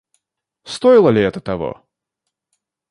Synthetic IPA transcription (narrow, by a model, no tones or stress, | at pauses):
st̪oɪlˠəlʲɪɛt̪ət̪ɐvo̰